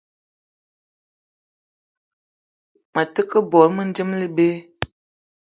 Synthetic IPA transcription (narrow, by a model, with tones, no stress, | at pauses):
mə˨tə˦kə˦bɔ˨ɾmə˦n̩˦d͡ʒə˦mlə˦be˦